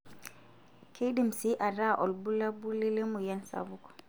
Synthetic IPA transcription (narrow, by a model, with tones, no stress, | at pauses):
kʰe˦jdi˦˨msi˦ʔa˨ɾa˦ʔɔ˨lbu˦la˦bu˦le˦le˦mu˨ja˦nsa̰˨bu˦kɔ̥˨